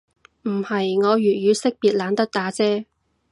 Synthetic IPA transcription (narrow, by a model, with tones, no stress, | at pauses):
m̩˨˩hɐ˨jŋɔː˨˧ɥyː˨˩ɥyː˨˧sɪ˥k̚piː˨t̚laː˨˧nt̪ɐ˥t̚t̪aː˨˥t͡sɛː˥